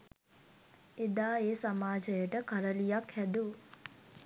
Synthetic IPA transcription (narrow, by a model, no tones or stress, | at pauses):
ed̪aːeːsamaːd͡ʒəjəʈəkaɾəlijakhæd̪u